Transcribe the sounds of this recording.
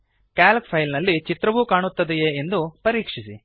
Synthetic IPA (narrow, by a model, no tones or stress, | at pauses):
kaːlkpʰɐjlnɐlːit͡ʃit̪ɾɐʋuːkaːɳut̪ːɐd̪ejeːend̪upɐɾiːkʂisi